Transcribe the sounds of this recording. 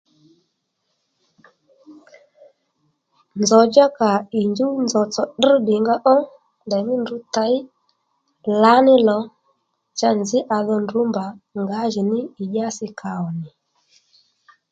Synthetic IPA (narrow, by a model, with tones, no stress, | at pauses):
nd͡zɔ˨d͡ʒa˦ka˨i˨ɲd͡ʒu˦nd͡zɔ˨t͡sɔ˨ɗ̩˦ɗɪ˨ŋɡa˦ʔɔ˦ | ndɛ˨mɪ˦ndu˧ta˨˦ɪ˦ | la˨˦nɪ˦lɔ˨ | t͡ʃa˦nzɪ˦ʔa˧ðɔ˧ndu˨˦mba˨ŋɡa˨˦ʒi˨nɪ˦ɪ˨ʄa˦sɪ˧kʰa˨ɔ˨nɪ˨